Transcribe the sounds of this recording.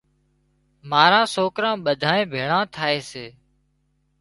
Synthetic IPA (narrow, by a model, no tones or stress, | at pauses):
maːɾãːsoːkɾãːɓəd̪ʱaːẽːbʱeːɳãːt̪ʰaːeːseː